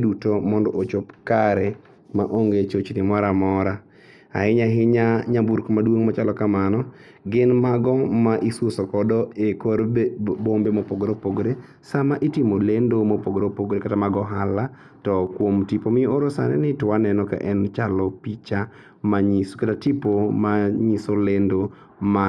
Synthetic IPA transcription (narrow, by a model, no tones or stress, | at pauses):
dutomɔndɔʔot͡ʃopkaɾɛ | ma̰ʔoŋɡet͡ʃot͡ʃnɪmaɾamɔɾa | a̰ɪɲaɦɪɲaɲabuɾkmadwoŋmat͡ʃalɔkamanɔ | ɡɪnmaɡɔmaʔisosokɔdɔekoɾbombemopoɡɾopoɡɾe | samaʔitimolendomopoɡɾopoɡɾekatamaɡɔɦala | tɔkwomtipomɪoɾosa̰nɛ̰nɪtwanɛnɔka̰ʔɛnt͡ʃalɔpit͡ʃa | maɲiskatatipomaɲisolendo | ma